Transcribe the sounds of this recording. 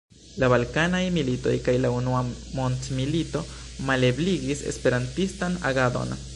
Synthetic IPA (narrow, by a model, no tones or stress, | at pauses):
labalkanajmilito̞̰jkajlaunuamo̞ntmilito̞male̞bliɡise̞̰spe̞ɾantistana̰ɡado̞̰n